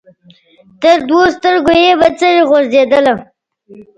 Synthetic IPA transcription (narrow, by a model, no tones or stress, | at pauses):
t̪əɾd̪wost̪əɾɡojebat͡səɾiɣozd̪ed̪əla